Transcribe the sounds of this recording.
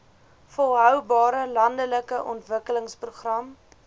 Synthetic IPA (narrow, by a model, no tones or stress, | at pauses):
fɔlˠɦœwbɑːɾəlɐndələkəʔɔ̰ntvəkələŋspruχrɐm